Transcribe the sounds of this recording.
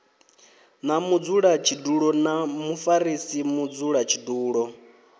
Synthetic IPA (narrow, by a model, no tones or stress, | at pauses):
namud͡zuɺat͡ʃʰiduɺɔnamufaɾisimud͡zuɺat͡ʃʰiduːɺɔ